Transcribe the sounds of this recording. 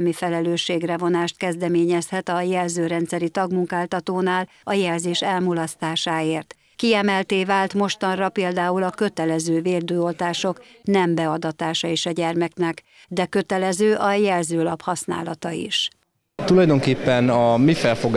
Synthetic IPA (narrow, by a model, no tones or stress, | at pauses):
mifɛlɛløːʃːeːɡrɛvo̞naːʃt̪kɛzd̪ɛmeːɲɛshɛt̪ɒjɛlzøːɾɛn̪t̪sɛɾit̪ɒɡmuŋkaːlt̪ɒt̪oːnaːl | ɒjɛlzeːʃɛlmulɒst̪aːʃaːeːrt̪ | kiɛmɛlt̪eːvaːlt̪mo̞ʃt̪ɒnrɒpeːld̪aːulɒkø̞t̪ɛlɛzøːveːld̪øːolt̪aːʃo̞k | nɛmbɛɒd̪ɒt̪aːʃɒeːʃɒɟɛrmɛknɛk | d̪ɛkø̞t̪ɛlɛzøːʔɒjɛlzøːlɒphɒsna̰ːlɒt̪ɒḭʃ | t̪ulɒjd̪o̞ŋkeːpːɛnɒmifɛlfo̞ɡ